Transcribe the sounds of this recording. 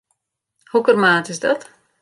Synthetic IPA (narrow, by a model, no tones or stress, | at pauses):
hukərmaːtɪsdɔt